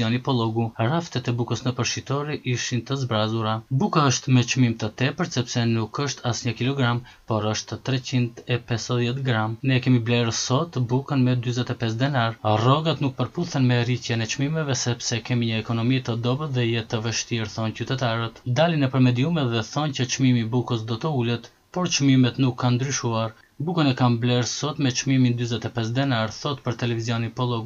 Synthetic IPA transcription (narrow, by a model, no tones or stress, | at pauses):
ɔnipɔlˠɔɡuraft̪ɛt̪ɛbukəsnəpəɾʃit̪ɔɾiʔiʃint̪əzbɾazuɾabukaəʃt̪mɛt͡ʃmimt̪ət̪ɛpəɾsɛpsɛnukəʃt̪ʰasɲəkilɔɡɾam | pɔɾəʃt̪t̪ːɾɛt͡ɕind̪ɛpɛsəðjɛt̪ɡɾamnɛkɛmiblɛɾsɔt̪bukənmɛd̪yzɛt̪ɛpɛs̬d̪ɛnaɾrɔɡat̪nuk̚pəɾpuθɛnmɛricɛnɛt͡ʃmimɛvɛsɛpsɛkɛmiɲəɛkɔnɔmit̪əd̪ɔbəðɛjɛt̪əvəʃt̪iɛɾθɔncyt̪ɛt̪aɾət̪d̪alinɛpəɾmɛd̪iumɛt̪ðɛθɔncət͡ʃmimibukəsd̪ɔt̪əulɛt̪ | pɔɾt͡ʃmimɛt̪nukʰːand̪ɾyʃuaɾ | bukənɛkamblɛɾsɔt̪mɛt͡ʃmimind̪yzɛt̪ɛpɛs̬d̪ɛnaɾθɔt̪pəɾt̪ɛlɛviziɔninpɔlˠɔɡ